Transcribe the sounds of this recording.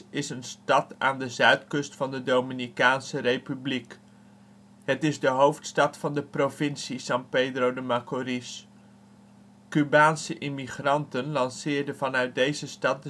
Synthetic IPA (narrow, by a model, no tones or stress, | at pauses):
ɪsənstɑta̰ːndəzœɥtkɵstfɑndədowminikaːnsərejpyblik | ɦətɪzdəɦowftstɑtfɑndəprovɪnsisɑŋpejdrowdəmakoɾis | kybaːnsəʔɪmiχrɑntənlɑnsɪːɹdəvɑnœɥt̚dejzəstɑt̚də